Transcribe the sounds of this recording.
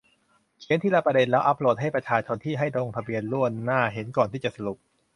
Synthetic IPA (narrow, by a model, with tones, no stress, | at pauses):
kʰi˦˥nt̪i˥˩la˧˥pɾa˧de˧nlɛː˦˥wʔa˦˥p̚loː˨˩t̪̚ɦa˥˩jpɾa˧t͡ɕʰaː˧t͡ɕʰo˧nt̪ʰiː˥˩ɦa˥˩jdo˧ŋt̪ʰa˧bi˧ənlu˥˩ənːaː˥˩ɦe˩˦nkɔː˨˩nt̪ʰiː˥˩t͡ɕa˨˩sa˧lu˨˩p̚